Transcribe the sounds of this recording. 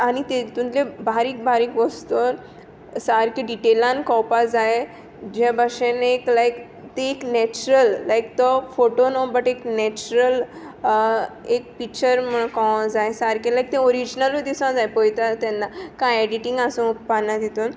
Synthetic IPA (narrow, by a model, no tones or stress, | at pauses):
añit̪et̪ũnlebʱaɾiːk̚bʱaɾiːkʋəst̪on | saɾkiɖiʈelãnkɔwpad͡zae | d͡ʑabaʂeneklajk | t̪ẽːknɛt͡ɕuɾəlːajk̚t̪ɔfoʈonobəʈeknɛt͡ɕuɾəl | ek̚pikt͡ɕəɾm̤əɭ̃kɔ̃d͡zajesaɾkilajk̚t̪ẽoɾid͡ʑnəlod̪isãd͡zajpojt̪at̪anːakãɛɖiʈĩŋɡasũuppanːad̪it̪uːn